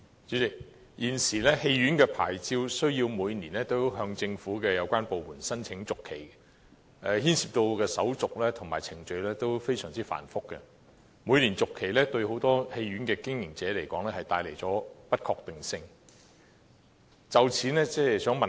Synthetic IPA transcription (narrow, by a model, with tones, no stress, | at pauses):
t͡ʃyː˨˥t͡sɪ˨k̚ | jiː˨˩nsiː˨˩lɛː˥he˧jɥyː˨˥nkɛː˧pʰa̰ː˨˩jt͡siː˧wsɵ˥ɥjiː˧wmuː˨˧jniː˨˩nlɛ˥t̪o˥wɦœː˧ŋt͡sɪ˧ŋfuː˨˥kɛː˧jɐ˨˧wkʷaː˥npo˨wmuː˨˩nsɐ˥nt͡sʰɪ˨˥ŋt͡sʊ˨kʰe˨˩j | ʔɛ˧hiː˥nsiː˨p̚t̪o˧wkɛː˧sɐ˨˥wt͡sʊ˨k̚lɛː˥t̪ʰʊ˨˩ŋmaː˨˩jt͡sʰɪ˨˩ŋt͡ʃɵ˧ɥlɛː˥t̪o˥wfe˥jsœː˨˩ŋt͡siː˥fa̰ː˨˩nfʊ˥kːɛ̰˧ | muː˨˧jniː˨˩nt͡sʊ˨kʰːe˨˩jlɛː˥t̪ɵ˧ɥho˨˥wt̪ɔː˥he˧jɥy˨˥nkɛː˧kɪ˥ŋjɪ˨˩ŋt͡sɛː˨˥le˨˩jkɔː˨˥ŋlɛ˥hɐ˨jt̪aː˧jle˨˩jt͡sɔː˨˥pɐ˥t̚kʰɔː˧k̚t̪ɪ˨ŋsɪ˧ŋ | t͡sɐ˨wt͡sʰiː˨˥nɛ˥t͡sɛː˥jsœː˨˥ŋmɐ˨